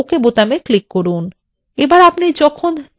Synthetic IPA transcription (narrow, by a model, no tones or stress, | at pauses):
okebot̪ameklikːoɾun | ebaɾapnid͡ʑɔkʰon